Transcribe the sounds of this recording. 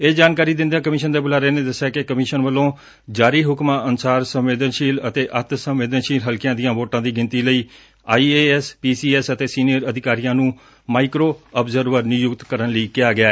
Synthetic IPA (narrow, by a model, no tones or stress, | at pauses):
eːd͡ʒaːnkaːɾiːd̪ɪ̃nd̪ãːkəmɪːʃənd̪eːbʊlaːɾeːneːd̪əsːaːkekəmɪːʃənʋəlõː | d͡ʒaːɾiːɦʊkmãːʔənsaːɾsəmʋeːd̪ənʃiːlət̪eːʔət̪səmʋeːd̪ənʃiːlɦəlkɪjãːd̪ijãːʋoːʈãːd̪iːɡɪnt̪iːləiː | aːiːeːɛspiːsiːɛsət̪eːsiːnijəɾəd̪ɪkaːɾijãːnũː | maːikɾoːəbzəɾʋəɾnɪjʊkt̪kəɾənləiːkɪjaːɡɪaːɛ